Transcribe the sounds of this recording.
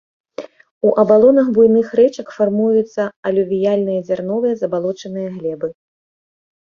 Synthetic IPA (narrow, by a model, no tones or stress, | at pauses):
uʔɐbalˠɔnɐɣbujnɨxɾɛt͡ʂɐkfarmujut̪sːɐɐlʲuvʲijalʲnɨjɐzʲarnɔvɨjɐzɐbalˠɔt͡ʂɐnɨjɐɣlʲɛbɨ